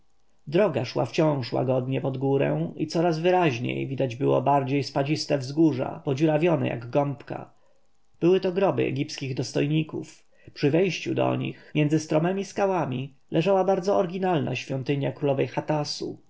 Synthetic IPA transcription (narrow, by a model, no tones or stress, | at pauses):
d̪ɾɔɡaʂwa̰ft͡ɕɔ̃w̃ʂwa̰ɡɔd̪ɲɛpɔd̪ɡuɾɛ̰̃w̃it̪sɔɾazvɘɾaʑɲḛjvʲid̪ad͡ʑbɘwɔ̰baɾd͡ʑejspad͡ʑist̪ɛvzɡuʐa̰pɔd͡ʑuɾavʲjɔnɛ̰ja̰ɡɡɔmpka̰ | b̥ɘwɘt̪ɔɡɾɔbɘ̰ɛ̰ɡʲipskʲiɣd̪ɔst̪ɔjɲikuf | pʂɘvɛjɕt͡ɕud̪ɔ̰ɲḭxmʲjɛnzɘst̪ɾɔmɛmʲiskawamʲi | lʔɛʐawabaɾd̪zɔɔɾɡʲinalna̰ɕfʲjɔnt̪ɘɲjakɾulɔvɛjxat̪asu